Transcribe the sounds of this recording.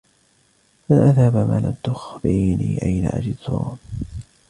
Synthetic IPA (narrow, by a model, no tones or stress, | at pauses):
manʔaðhabama̰lat̪ːʊxbiniːʔajna̰ʔa̰d͡ʒɪd̪t̪ʰuːn